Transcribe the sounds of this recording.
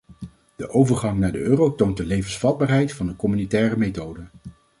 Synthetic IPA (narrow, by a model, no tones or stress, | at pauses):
d̥əʔowvəɹχɑŋnaːɹdəʔøːrowtownt̚dəlejvənsfɑd̚baːɹɦɛjtfɑndəkɔmynitɛːrəmejtowdə